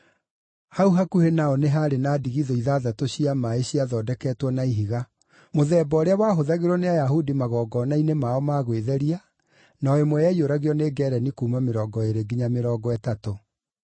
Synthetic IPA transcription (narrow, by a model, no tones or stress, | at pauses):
hauɦakuhenaɔneɦaɾenaːdiɣiðɔiðaːðatoɕiamaeɕiaðɔːdɛkɛtwɔnaiɦiɣa | moðɛːbɔɔɾeawaɦoðaɣeɾɔneajaɦudimaɣɔːɡɔnainemaɔmaɣweðɛɾia | naɔemojɛjoɾaɣeɔneɡɛɾɛnikuːmameɾɔːɡɔeɾeɡiɲameɾɔːɡɔɛtato